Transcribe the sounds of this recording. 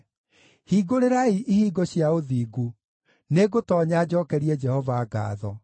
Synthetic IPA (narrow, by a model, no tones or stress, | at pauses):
hiːɡoɾeɾaiʔihiːɡoɕjaoðiːɡu | neɡotɔːɲad͡ʑɔːkɛɾiɛd͡ʒɛhɔvaːɡa̰ːðɔ